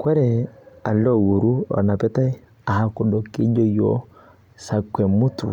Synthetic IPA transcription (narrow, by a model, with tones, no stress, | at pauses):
kwɛ˦ɾɛ˨a˨lɔ˦˨wu˨ɾu˦ɔ̰˨na˨pɛ˦ta˦ɛ˦ | a˨ha˦ku˨ɗɔ˨ki˦d͡ʒɔ˦jɔ˦ | sa˨kwɛ˨mu˦tṵ˨